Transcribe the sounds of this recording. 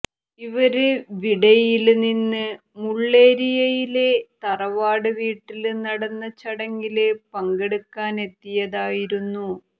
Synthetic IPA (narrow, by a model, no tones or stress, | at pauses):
iʋɐɾeʋiɽɐjilninːɨ | muɭːe̞ːɾijɐjilet̪ɐrɐʋaːɽɨʋiːʈːilnɐɽɐnːɐt͡ɕːɐɽɐŋɡilɨpɐŋɡeɽukːaːne̞t̪ːijɐðaːjiɾunːu